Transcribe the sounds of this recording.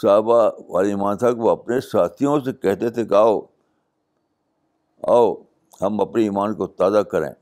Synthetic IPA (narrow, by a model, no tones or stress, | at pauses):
saːbaʋa̰ːliiːmaːnt̪ʰaːkʋoɐpnesaːt̪ʰijõsekɛɦt̪et̪ʰekaːo | a̰ːo | hɐmɐpniiːmaːnkot̪aːzakɐɾḛ̃ː